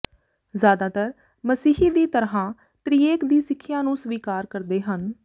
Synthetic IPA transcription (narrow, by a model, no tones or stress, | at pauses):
zjaːd̪aːt̪əɾ | məsiːɦiːd̪iːt̪əɾɦãː | t̪ɾiːeːkd̪iːsɪkʰːjãːnũːsʋiːkaːɾkəɾd̪eːɦən